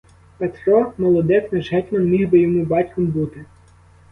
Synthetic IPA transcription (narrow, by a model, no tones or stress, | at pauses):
pet̪ɾɔmɔlˠɔd̪ɛknɪʒɦɛtʲmɔnmʲiɦbɪjɔmubɑtʲkɔmbut̪ɪ